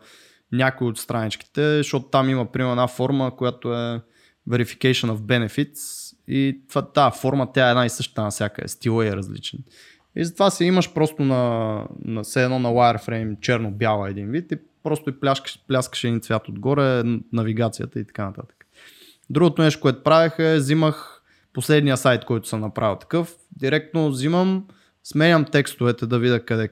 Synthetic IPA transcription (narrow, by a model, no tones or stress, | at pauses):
nʲakʊiot̪st̪ɾanit͡ʃk̟i̥t̪ɛzəʃɔt̪ʊ̥t̪amiməpɾimɛɾɛdnafɔɾməkʊjat̪oɛ | vɛɾifi̥kɛʃənəvbɛnɛfit̪sit̪vat̪afɔɾmət̪ʲaɛd̪naisɤʃt̪ə̥t̪ənɐsʲjakə̰ɛ̰st̪ilˠəiɛɾɐzlḭt͡ʃɛn | ḭzɐt̪vasiiməʃpɾɔst̪ʊnɐnɐsɛɛnɔnɐwajɛɾfɾɛɪmt͡ʃɛɾnobʲjalˠəɛd̪invit̪i | pɾɔst̪ʊiplʲaʃkʃplʲaskə̥ʃɛd̪int̪svʲjat̪od̪ɡɔɾɛnɐviɡat̪sijə̰t̪əit̪ɐ̥kanɐt̪a̰t̪ə̥kə̥ | d̪ɾuɡʊt̪ʊnɛʃ̬t̪o̥kowɛt̪ʊ̥pɾavɛxəɛziməx | poslɛd̪nijəsajt̪̚kɔjt̪ʊ̥səmnɐpɾa̰vilˠt̪ɐ̥kɤf | d̪iɾɛk̚t̪noziməm | smɛnʲəmt̪ɛkst̪ʊvɛt̪ɛd̪ɐvidʲəkɐd̪ɛ